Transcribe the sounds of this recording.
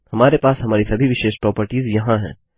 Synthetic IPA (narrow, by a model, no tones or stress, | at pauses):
hɐmaːɾepaːsɦɐmaːɾisɐbʱiʋɪʃeːʃpɾɔːpəɾʈiːzjɐɦãɦɛ̰̃ː